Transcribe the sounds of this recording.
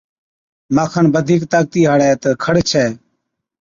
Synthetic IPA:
maːkʰənbəd̪ʱiːkt̪aːk̚t̪iːɦəɽɛːt̪əkʰəɽt͡ʃʰɛː

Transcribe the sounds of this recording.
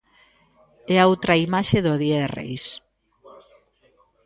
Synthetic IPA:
ɛaowt̪ɾaimaʃeðoðieðerḛjs

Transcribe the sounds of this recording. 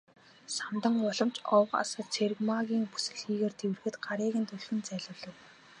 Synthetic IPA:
samt̪ə̆ŋɔɮɞ̆mt͡ɕɔwqa̰səːt̪t͡sʰeɾɘ̆ɣmaɣʲiːŋpu̥sɘ̆kxiːɣeːrt̪ʰewɘ̆rxɘ̆t̪ɢaɾiːɣɘ̆nt̪ʰɵɮxɘ̆nt͡sæːɮʊːɮə̆w

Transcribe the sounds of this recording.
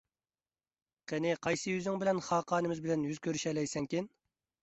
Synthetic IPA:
qʰenɪqʰɑjsɨjyzɪŋbɪlɛnχɑːqʰɑːnɨmɪzbɪlɛnjyz̥kʲøɾyʃɛlɛjsɛŋkʲɪn

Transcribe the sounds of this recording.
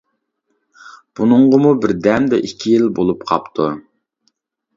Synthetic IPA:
b̥unɨɴʁəmubɪɾd̪ɛmd̪ɛʔikʲʰːijilbolˠupqʰɑ̰pt̪ʰu

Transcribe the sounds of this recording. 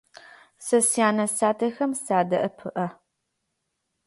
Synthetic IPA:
sɐsjaːnɐsaːtʰɐxɐmsaːdɐʔɐpʰɨʔɐ

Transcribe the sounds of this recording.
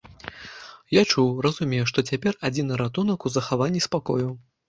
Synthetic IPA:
jat͡ʂuwrɐzumʲɛjɛʂt̪ɔt͡sʲapʲɛrad͡zʲinɐɾat̪unɐkuzɐxavanʲːispakɔju

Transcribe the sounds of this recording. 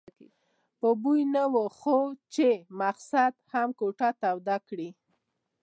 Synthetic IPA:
pəbujnawəxot͡ʃemaqsad̪hamkoʈat̪awd̪akɽi

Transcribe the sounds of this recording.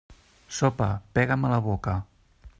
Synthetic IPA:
sopəpɛɣəmələβokə

